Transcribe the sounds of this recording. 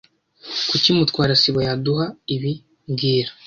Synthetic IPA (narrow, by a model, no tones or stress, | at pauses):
kucimutkwaːɾasiβojaduɦaiβi | mɡiːɾḁ